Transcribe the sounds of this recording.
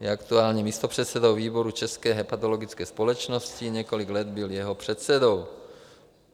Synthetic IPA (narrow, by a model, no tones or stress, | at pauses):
jɛakt̪uaːlɲɛmiːst̪opr̝̥ɛt̪sɛd̪owviːbo̞ɾut͡ʃɛskɛːɦɛpat̪o̞lo̞ɡɪt͡skɛːspolɛt͡ʃnoscɪɲɛko̞lɪɡlɛd̪bɪljɛɦopr̥ɛt̪sɛd̪o̞w